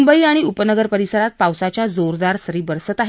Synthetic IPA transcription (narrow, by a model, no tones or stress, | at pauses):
mbəiaɽ̃iupənəɡəɾpəɾisəɾat̪̚pawsat͡ɕjad͡zoɾd̪aɾsəɾiːbəɾsət̪aɦ